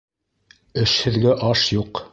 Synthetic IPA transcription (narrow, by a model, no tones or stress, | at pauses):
ɘʃhɘ̆ðɡæʔɑʃjuq